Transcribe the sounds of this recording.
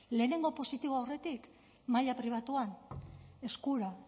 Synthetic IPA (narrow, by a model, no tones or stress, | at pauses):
le̞ːne̞ŋɡo̞po̞sit̪iβoawre̞t̪ik | maʎapɾiβ̞at̪uane̞skuɾa